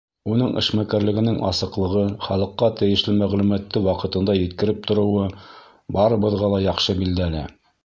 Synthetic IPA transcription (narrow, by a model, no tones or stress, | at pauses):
unɤɴʔɘ̰̆ʃmækæɾlɘ̆ɡɘ̆nɘŋʔɑ̰sɤ̆qlˠɤ̆ʁɤχɑlˠɤ̆qːɑt̪ɘ̆jɘ̆ʃlɘmæʁlumæt̪ːɘwɑqɤ̆t̪ɤ̆nd̪ɑjɘ̆t̪kɘ̆ɾɘp̚t̪ʰŏɾɤ̆wɤ | bɑɾɤ̆bɤ̆ðʁɑlˠɑjɑχʃɤbild̪ælæ̰